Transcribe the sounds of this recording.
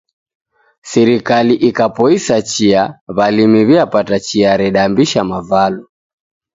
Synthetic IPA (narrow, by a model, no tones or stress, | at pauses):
sɛɾikaliʔikapɔisat͡ʃiaβalimiβiapatat͡ʃiaɾɛɗambiʃamavalɔ